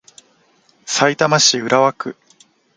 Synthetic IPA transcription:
sait̪amaɕiɯ̟ɾaβakɯ̟

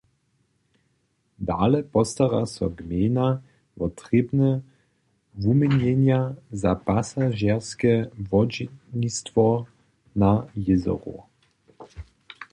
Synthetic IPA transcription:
d̪aːlɛpɔst̪aɾasɔɡmʲeːna | vɔt̪ʁebnɛ | vumiɲɛnjazapasaʒɛʁskɛvɔd͡ʑnist̪vɔ | najɪzɔ̰ʁṵ

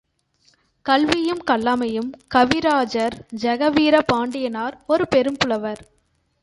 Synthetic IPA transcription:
kɐɭʋɪjɯmkɐlːaːmɐjɯmkɐʋɪɾaːd͡ʒɐɾd͡ʒɐɣɐʋiːɾɐpaːɳɖɪjɐnaːɾɔɾɯpɛɾɯmpɯɭɐʋɐɾ

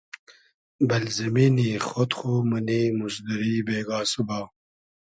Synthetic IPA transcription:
bɐlzɐmiːniːxot̪xoməniːmusd̪əɾiːbeːɡaːsubaː

